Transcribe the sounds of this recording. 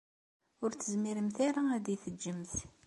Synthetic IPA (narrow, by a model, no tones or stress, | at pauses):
ʊɾt͡sːəzmiɾəmθaɾaæd̪ijθəd͡ʒːəmθ